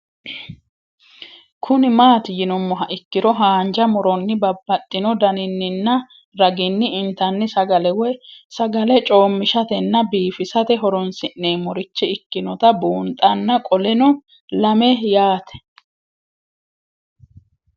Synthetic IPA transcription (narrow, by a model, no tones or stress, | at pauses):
kʰʊnɪmaːt̪ɪjɪnɔmːɔɦɐʔɪkːɪɾɔɦaːnd͡ʒɐmɔɾɔnːɪbɐbːɐt̪ʼːɪnɔd̪ɐnɪnːɪnːɐ | ɾɐɡɪnːɪɪnt̪ɐnːɪsɐɡɐlɛwɔjsɐɡɐlɛt͡ʃʼoːmːɪʃɐt̪ɛnːɐbiːfɪsɐt̪ɛɦɔɾɔnsɪnːeːmɔɾɪt͡ʃːɛɪkːɪnɔt̪ɐbuːnt̪ʼɐnːɐkʼɔlɛnɔ | lɐmɛjaːt̪ɛ̥